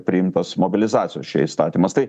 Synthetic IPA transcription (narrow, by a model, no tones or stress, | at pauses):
pʲɾʲɪɪmt̪ɐsmobʲɪlʲɪzɑːt̪sʲɪjoːsʃʲɛ̰ist̪ɑːt̪ʲiːmɐst̪ɐɪ